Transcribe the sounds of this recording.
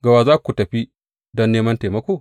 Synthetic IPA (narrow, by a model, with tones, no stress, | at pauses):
ɡɐ˨waː˨zaː˦kʷu˨tɐ˨ɸi˦ | dɔ˦nːeː˦mɐ˦nte˨mɐ˦kʷoː˨